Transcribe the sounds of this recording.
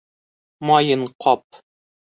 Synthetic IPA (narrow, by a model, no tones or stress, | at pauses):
mɒjɤɴqʰɒp̚